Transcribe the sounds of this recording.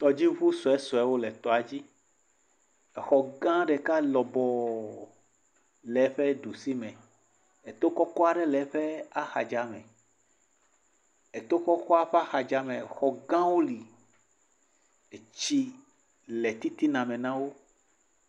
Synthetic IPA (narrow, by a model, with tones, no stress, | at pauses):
t̪ɔ˨d͡ʑi˦vu˦sɔ˨ɛ˦sɔ˨ɛ˦wo˦lɛ˨t̪ɔ˨a˨d͡ʑi˦˨ | xɔ˨ɡã˦ɖɛ˨ka˦lɔ˨bɔ˨ | lɛ˨˦ɸɛ˦ɖu˨si˦mɛ̃˨ | e˨t̪o˦kɔ˦kɔ˦a˨ɖɛ˦lɛ˨˦ɸɛ˦a˦xa̰˨d͡ʒa˨mɛ̰̃˨ | e˨t̪o˦kɔ˦kɔ˦a˦ɸɛ˦a˦xa˨d͡ʒa˦mɛ̃˨xɔ˨ɡã˦wo˦li˨ | e˨t͡ʃi˦ | lɛ˨t̪i˦t̪i˦nã˨mɛ̃˨nã˦wo˦